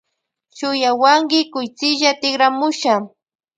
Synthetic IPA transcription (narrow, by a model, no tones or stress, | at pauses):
t͡ʃʊjawaŋɡɪkʊjt͡sɪʒat̪ɪɡɾamʊʃa